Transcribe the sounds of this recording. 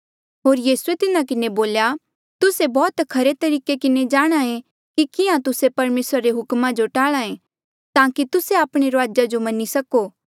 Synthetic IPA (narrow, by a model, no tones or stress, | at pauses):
ɦoːɾjiːsuet̪ɪnãkɪneboːlja | t̪ʊsebɔːt̪kʰɐɾet̪ɐɾiːkekɪned͡ʒaːɽ̃aẽ | kikɪãt̪ʊsepɐɾmeːsɾaɾeɦʊkmãd͡ʒoʈaːɭaẽ | t̪ãːkit̪ʊseaːpɽ̃eɾoaːd͡ʒad͡ʒomɐnisɐkoː